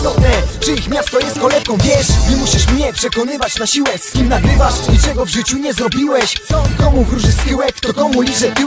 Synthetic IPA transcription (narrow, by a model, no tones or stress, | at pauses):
ɔt̪ɲɛt͡ʂɨixmʲjast̪ɔjɛst̪̚kɔlɛfkɔ̃w̃vʲjɛʂɲɛmuɕiʂmɲɛpʂɛkɔnɘvat͡ɕnaɕiwɛskʲimnaɡɾɘvaʂɲit͡ʂɛɡɔvʐɘt͡ɕuɲɛzɾɔbʲiwɛɕsɔkɔmukɾuʐɪskɘwɛkt̪ɔkɔmulʲit͡ʂɛt̪